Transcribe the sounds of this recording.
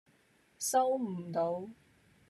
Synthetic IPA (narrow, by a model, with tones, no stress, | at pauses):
sɐ˥wm̩˨˩t̪o˨˥w